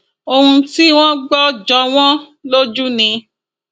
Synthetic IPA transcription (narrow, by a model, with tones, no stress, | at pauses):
o˧hũ˧ti˦w̃ɔ̃˦ɡ͡bɔ˦d͡ʒɔ˧w̃ɔ̃˦ | lo˦d͡ʒu˦nĩ˧